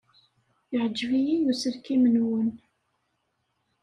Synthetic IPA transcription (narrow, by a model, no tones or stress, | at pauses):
jəʕəd͡ʒːvijinjusəɾkimənwən